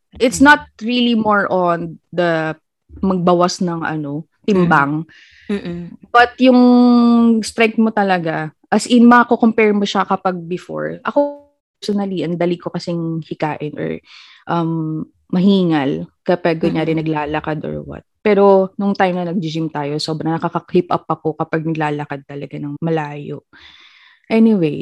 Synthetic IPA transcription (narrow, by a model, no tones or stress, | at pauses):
ʔɪt̪snɐt̪̚ɹilimoɹʔond̪ɐ | mɐɡ̚bɐwasnɐŋɐ̰no̞ | t̪ɪmbaŋ | b̥ɐt̪jʊŋ | st̪ɾɛŋk̚t̪̚mot̪ɐlɐɡaʔɐsʔɪnmɐakokompɛɹmoʃɐkɐpaɡ̚bɪfo̰ɹʔɐko | ɛsonɐliʔɐnd̪ɐliko̞kɐsɪŋhɪkaːʔɪnʔɔ̰ɹ | ʔɐmː | ɐɦiːŋɐlkɐpɐɡ̚koɲaːɾɪnɐɡlaːlɐkad̪o̰ɹwɐ̰t̪̚pɛːɾo̞nʊŋt̪ajmnɐnɐɡ̚d͡ʒɪd͡ʒimt̪aːjo̞so̞ːbɾɐnɐkɐkɐklipʔɐ̰p̚ːɐko̞kɐpaɡ̚nɐɡlaːlɐkad̪̚t̪ɐlɐɡanɐŋmɐlaːjo̰ʔ | ʔɛnɪwej